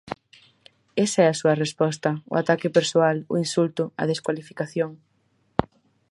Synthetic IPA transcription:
esɐɛasuɐrespɔst̪ɐʊ̰at̪akɪpeɾsoalʊ̰insult̪ʊɐ̰ð̞eskwalifikaθjoŋ

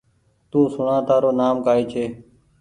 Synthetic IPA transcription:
t̪ũːsʊɳãːt̪aːɾoːnaːmkaːiːt͡ʃʰeː

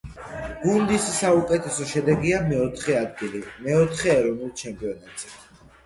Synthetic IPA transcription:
ɡ̥und̪isːaukʼɛt̪ʰɛsɔʃɛd̪ɛɡiamɛɔt̪ʰχɛad̪ɡilimɛɔt̪ʰχɛːɾɔnulˠt͡ʃʰɛmpʼiɔnat̪ʼz̥ɛ

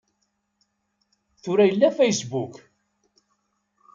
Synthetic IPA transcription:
θʊɾæjəlːæfejsbuk

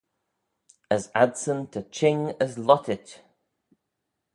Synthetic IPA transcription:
əzadsə̃ntʰət͡ʃʰɪ̃ŋəzlɔtʰɪt

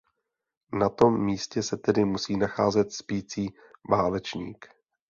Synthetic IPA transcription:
nat̪o̞mːiːscɛsɛt̪ɛdɪmusiːnaxaːzɛt̪spiːt͡siː | vaːlɛt͡ʃɲḭːk

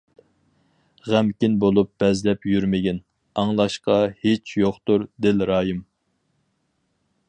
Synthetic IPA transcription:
ʁæmkʲinbolˠup̚b̥ɛzlɛpjyɾmɪɡʲɛn | ɑŋlˠɑʃqɑhet͡ʃʰjoχt̪uɾd̪ɪlɾɑːjɨm

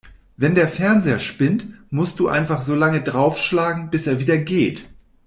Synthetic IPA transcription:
vɛndeːɐfɛɐnzeːɐʃpɪntmʊst̚d̥uːʔa̰ɪnfaχz̥oːlaŋədʁaʊfʃlaːɡŋ̩bɪseːɐviːdɐɡeːt

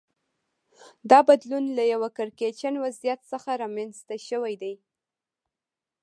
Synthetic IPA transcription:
d̪ɑbad̪lunlajawakaɾket͡ʃanwazijat̪səxaɾɑmanst̪aʃəwajd̪aj

